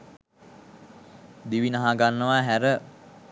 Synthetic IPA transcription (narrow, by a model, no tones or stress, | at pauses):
d̪iʋinaɦaɡanːəʋaɦæɾə